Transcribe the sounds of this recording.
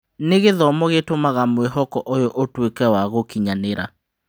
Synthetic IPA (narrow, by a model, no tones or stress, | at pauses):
neɣeðɔmɔɣetomaɣamwɛɦɔkɔʔojɔʔotwekɛwaɣokiɲaneɾa